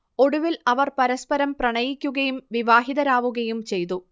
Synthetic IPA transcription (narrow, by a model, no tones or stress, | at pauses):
o̞ɽuʋilɐʋɐrpɐɾɐspɐɾɐmprɐɳɐjikʲːuɣɐjumʋiʋaːɦiðɐɾaːʋuɣɐjumt͡ɕe̞jt̪u